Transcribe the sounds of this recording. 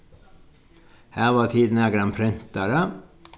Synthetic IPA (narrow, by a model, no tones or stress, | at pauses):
hæːʋɑːt̪ʰiːd̪n̩æɡɾɑnpʰɾɪnt̪əɾə